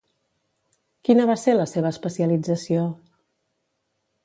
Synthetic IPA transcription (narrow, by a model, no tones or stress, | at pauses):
kinəβ̞aseləseβ̞əːspəsiəlid͡zəsio